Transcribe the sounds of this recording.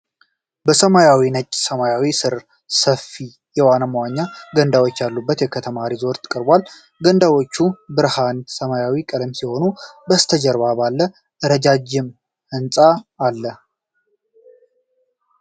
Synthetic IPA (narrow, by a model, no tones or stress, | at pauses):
bəsəmajawinət͡ʃʼsəmajawisɨɾ | səfːi | jɛwanəməwaɲːaɡənd̪awot͡ʃːjalːubːət̪jɛkʰət̪ʰəmaɾizo̞ɾt̪ʰɨ̥kʼəɾbʷal | ɡənd̪awo̞t͡ʃːubɨɾhansəmajawikʼəd̪əmsiho̞nubəst̪ʰəd͡ʒəɾβabalːə | ʔɨɾəd͡ʒad͡ʒːɪm | ɨnsʼaːlːə